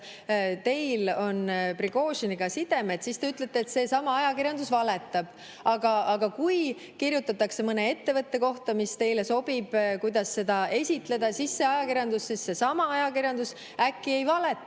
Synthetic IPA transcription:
t̪e̞jlo̞npriɡo̞ːʃiniɡ̥ɑsid̪̥e̞met̪sist̪e̞yt̪ˑlet̪ˑːeːt̪se̞sɑmɑɑjɑkirjɑnd̪̥usvɑlet̪ːˑɑb̥ | ɑɡ̥ɑɑɡ̥ɑkuj | kirjut̪ːˑɑt̪ːˑɑkse̞mɤne̞e̞t̪ːe̞vɤt̪ːe̞ko̞ht̪ɑmist̪e̞jle̞so̞b̥ib̥kujd̪̥ɑsːe̞d̪ɑe̞sʲit̪ˑle̞d̪̥ɑsisːe̞ɑjɑkiɾjɑnd̪usːisːe̞sɑmɑɑjɑkiɾjɑnd̪us | ækːie̞jvɑle̞t̪ːˑ

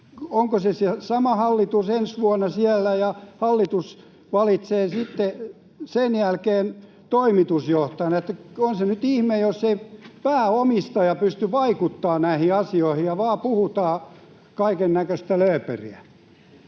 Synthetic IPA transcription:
oŋkosesesɑmɑhɑlːit̪usensʋuɑnːɑsiælːæjɑhɑlːit̪us | ʋɑlit̪seːsit̪ːe | senjælkeːn | t̪oimit̪usjoht̪ɑjɑnet̪ːæonsenyt̪ihmejosːeipæːomist̪ɑjɑpyst̪yʋɑikut̪ːɑːnæihiɑsioihijɑʋɑːpuhut̪ɑː | kɑikenːækøst̪æløːpørḭæ

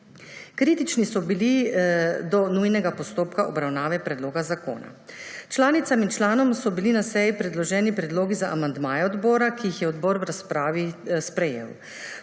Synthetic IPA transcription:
kɾiːt̪it͡ʃnisɔbili | d̪ɔnujnɛɡapɔst̪oːpkaʔɔbɾawnaːʋɛpɾɛd̪loːɡazako̰ːna̰t͡ʃlaːnit̪samint͡ʃlaːnɔmsɔbilinasɛjipɾɛd̪lɔʒɛːnipɾɛd̪loːɡizaʔamand̪maːjɛɔd̪bɔːɾakijixjɛɔd̪bɔːɾwɾaspɾaːʋispɾɛjḛːw

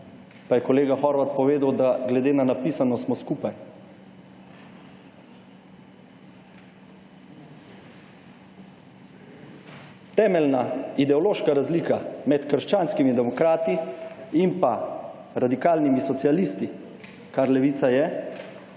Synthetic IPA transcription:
pajɛkɔleːɡaxɔɾʋat̪̚pɔʋeːd̪awd̪aɡlɛd̪eːnanapiːsanɔsmɔskupaj | t̪ɛːmɛlnaid̪ɛɔloːʃkaɾazliːkamɛt̪kəɾʃt͡ʃaːnskimid̪ɛmɔkɾaːt̪iimpa | ɾad̪ikaːlnimisɔt̪sialist̪i | kaɾlɛʋiːt̪sajɛ

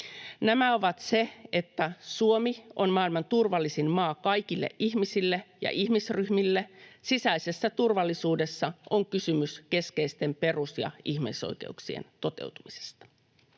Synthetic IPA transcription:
næmæo̞ʋɑt̪se̞e̞t̪ːæsuomio̞nmɑːilmɑnt̪urʋɑlːisinmɑːkɑjkilːḛʔʔiçmisilːejɑ̰ʔiçmisryhmilːesisæise̞sːæt̪urʋɑlːisuːde̞sːɑoŋkysymyske̞skeist̪e̞mpe̞rusjɑ̰içmeso̰jke̞̰uksiḛnt̪o̞t̪e̞̰uwt̪umise̥st̪ɑ̥

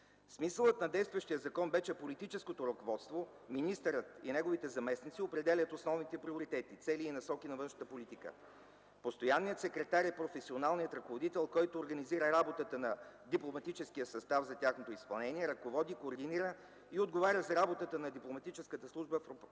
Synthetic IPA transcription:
smisəlˠət̪nɐd̪ɛjst̪vəʃt̪ijəzɐkɔnbɛʃɛpolit̪it͡ʃɛskot̪oɾokovɔt̪st̪vo | minist̪əɾət̪ḭnɛɡovit̪ɛzɐmɛsnit̪siopɾɛd̪ɛlʲət̪osnɔvnit̪ɛpɾiʊɾit̪ɛt̪it̪sɛliːnɐsɔkinɐvɤnʃnət̪əpolit̪ikə̰ | post̪ojanːijət̪sɛkɾɛt̪aɾɛpɾofɛsionalˠnijət̪ɾɐkovod̪it̪ɛlˠkɔjt̪oːɾɡɐniziɾəɾabot̪ət̪ənɐd̪iplˠomɐt̪it͡ʃɛskiəsɐst̪avzɐt̪ʲaxnot̪oispɐlˠnɛniɛɾɐkovɔd̪ikoːɾd̪iniɾə | iod̪ɡovaɾʲəzɐɾabot̪ət̪ənɐd̪iplˠomɐt̪it͡ʃɛskət̪əslˠuʒbəfɾop

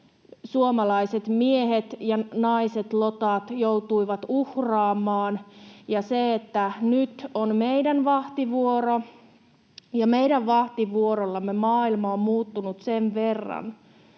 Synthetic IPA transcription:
suomɑlɑiset̪mieɦet̪jɑnɑiset̪lot̪ɑt̪jowt̪uiʋɑt̪uhrɑːmːˑɑːnjɑseet̪ːænyt̪onmeidænʋɑht̪iʋuoɾo | jɑmeidæʋʋɑht̪iʋuoɾolːɑmːemɑːilmɑommuːt̪ːunut̪senʋerːɑ̰n

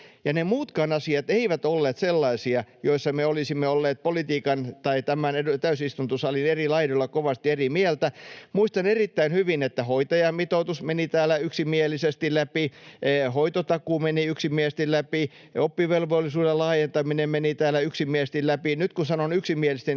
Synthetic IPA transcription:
jɑnemuːt̪kɑːnɑsiɑt̪eiʋæt̪olːeːt̪selːɑisiɑjoisːɑmeolisimːeolːeːt̪̚polit̪iːkɑnt̪ɑit̪æmæneut̪æysist̪unt̪usɑlinerilɑiɾolːɑkoʋɑst̪ierimiælt̪æmuist̪ɑnerit̪ːæinhyʋinet̪ːæhoit̪ɑjɑmit̪out̪usmenit̪æːlːæyksimiælːˑisest̪ilæpihoit̪ot̪ɑkuːmeniyksimiæst̪illæpi | opːiʋelʋolːisuːdelɑːjent̪ɑminemmenit̪æːlːæyksimiest̪illæpinyt̪kusɑnonyksimiælist̪en

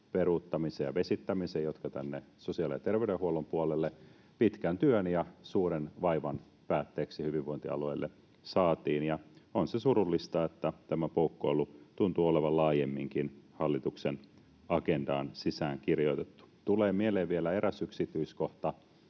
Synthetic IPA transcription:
perut̪ːɑmisejɑʋesit̪ːæmisejot̪kɑt̪ænːesosiɑlit̪erʋeydehuolumpuolelːe | pit̪kænt̪yønjɑsuːɾenʋɑiʋɑn | pæːt̪ːeːksihyʋiʋʋoint̪iɑ̰lueilːʔe | sɑːt̪iːnjɑonsesuɾulːist̪ɑet̪ːæt̪æmæpoukːoilut̪unt̪uoleʋɑlɑːjemːiŋkinhɑlːit̪uksen | ɑkendɑ̰ːnsisæːŋkirjoit̪et̪ːu̥t̪uleːmieleːʋʋielæeɾʔæsyksit̪yiskoht̪ɑ

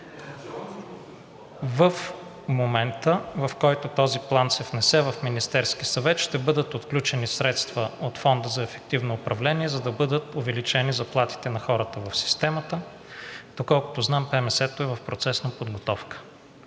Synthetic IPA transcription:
vəf | momɛnt̪əvɐfkɔjt̪ʊt̪ɔziplˠansɛvnɛsɛvɐfminist̪ɛɾskisɐvɛt̪ʃt̪ɛbɤd̪ət̪ot̪klʲut͡ʃɛnisɾɛt̪st̪vəot̪fɔnd̪əzɐɛfɛk̚t̪ivnoːpɾɐvlɛniɛzɐd̪ɐbɤd̪ət̪ʊvɛlit͡ʃɛnizɐplˠat̪i̥t̪ɛnɐxɔɾət̪əvɐfsi̥st̪ɛmət̪ə | d̪̥okɔlˠkʊ̥t̪ʊznampɛmɛsɛt̪oɛvɐfpɾot̪sɛsnɐpod̪ɡot̪ɔfkə̥

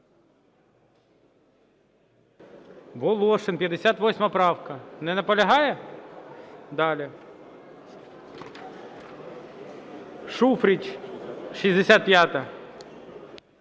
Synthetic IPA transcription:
bɔlˠɔʂɪnpʲjɐd̪esʲat̪ʋɔsʲmɐpɾɑwkɐnɛnɐpɔlʲɐɦɑjɛ | d̪ɑlʲɪ | ʂufɾʲit͡ʃʲʃizʲd̪esʲat̪̚pʲjat̪ɐ

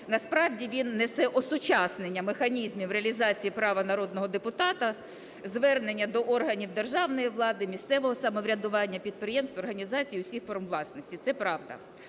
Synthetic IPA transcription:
nɐspɾɑwdʲiʋʲinːɛsɛʔɔsʊt͡ʃɑsnenʲːɐmexɐnʲizmʲiwɾeɐlʲizɑt͡sʲijipɾɑʋɐnɐɾɔd̪nɔɦɔd̪epʊt̪ɑt̪ɐ | zʋɛrne̞nʲːɐd̪ɔʔɔrɦɐnʲiwd̪erʒɑwnɔjiʋlˠɑd̪ɪmʲist̪sɛʋɔɦɔsɐmɔʋɾʲɐd̪ʊʋɑnʲːɐpʲid̪̚pɾɪjɛmst̪ʋɔrɦɐnʲizɑt͡sʲijiʊsʲixfɔrmʋlˠɑsnɔsʲtʲit̪sɛpɾɑʋd̪ɐ̰

